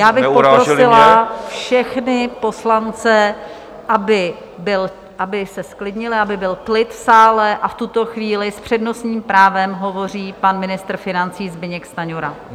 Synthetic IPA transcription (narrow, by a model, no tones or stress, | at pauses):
jaːbɪpopːɾosɪlafʃɛxnɪpo̞slant͡sɛ | ʔabɪ | bɪl | ʔabɪsɛsklɪdɲɪlɪʔabɪbɪlk̪lɪt̪fsaːlɛʔaft̪ut̪o̞xviːlɪspr̝̥ɛdno̞sɲiːmpɾaːvɛmɦo̞vo̞riːpanmɪnɪst̪ɾ̩fɪnant͡siːzbɪɲɛkst̪aɲoɾa